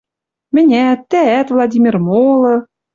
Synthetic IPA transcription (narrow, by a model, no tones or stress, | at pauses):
mɘ̆nʲæt̪ːææt̪vlˠɑdʲimʲirmolˠɤ̆